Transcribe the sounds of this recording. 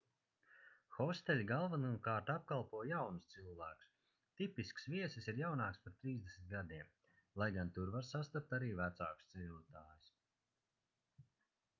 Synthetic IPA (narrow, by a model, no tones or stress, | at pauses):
xɔst̪ɛlʲɡalˠvanuːkaːɾt̪ap̚kalˠpuɔjjawnust̪silˠvæːku̥s | t̪ipisksviɛsɨsiɾjawnaːkspaɾt̪ɾiːzd̪esmʲit̪ɡad̪iɛm | lˠajɡant̪uɾvaɾsast̪ap̚t̪aɾiːvæt̪saːkust̪sɛʎʲuːt̪aːjus